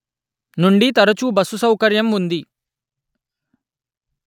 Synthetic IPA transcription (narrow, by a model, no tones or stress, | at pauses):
nuɳɖit̪ɐɾɐt͡ʃubɐsusɐwkɐɾjɐmund̪i